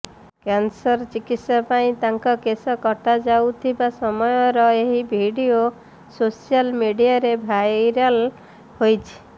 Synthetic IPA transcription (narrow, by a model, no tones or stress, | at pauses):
kansɔɾt͡ʃikit̪sapaĩt̪aŋkɔkesɔkɔʈad͡ʒawt̪ʰibasɔmɔjɔɾɔeɦibʱiɖio | sosialmiɖijaɾebʱajɾal | hojt͡ʃʰi̥